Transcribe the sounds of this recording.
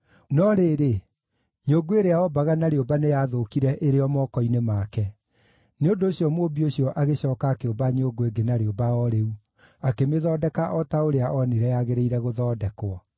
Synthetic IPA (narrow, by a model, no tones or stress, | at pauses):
nɔɾeːɾe | ɲoɡoeɾeaɔbaɣanaɾeobanejaːðokiɾɛʔeɾeɔmɔːkɔinemaːkɛ | neondoːɕjɔmoːbioɕjɔʔaɣeɕɔːkaːkeobaɲoːɡoeɡenaɾeobaɔɾeu | akemeðɔːdɛkaʔɔtaoɾeaʔɔniɾɛjaɣeɾeiɾɛɣoðɔːdɛkwɔ